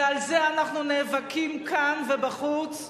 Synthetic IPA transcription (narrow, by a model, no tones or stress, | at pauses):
alzeanaχnuneːvakimkʰanvebaχut͡s